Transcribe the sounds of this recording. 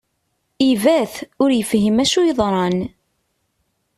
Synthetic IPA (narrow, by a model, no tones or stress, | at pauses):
ivæθʊɾjəfɦimæʃujəðˤɾˤɑn